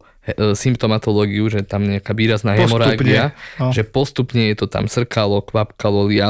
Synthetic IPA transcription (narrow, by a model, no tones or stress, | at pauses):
simpt̪ɔmat̪ɔlɔːɡiuʒɛt̪amɲɛakaːʋiːɾaznaːɦɛmɔɾaːɡiaʒɛpɔst̪upɲɛjɛt̪ɔt̪a̰msr̩kalɔkʋapkalɔlia